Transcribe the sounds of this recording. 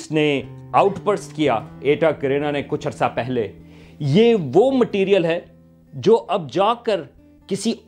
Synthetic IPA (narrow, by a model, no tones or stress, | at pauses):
sneaːʊʈbəɾsʈkija̰eːʈakɐɾeːnanekʊt͡ʃʰɐɾsapɛɦlejeʋoːmɐʈiːɾijəlɦɛ | d͡ʒoːʔɐb̚d͡ʒaːkəɾ | kɪsi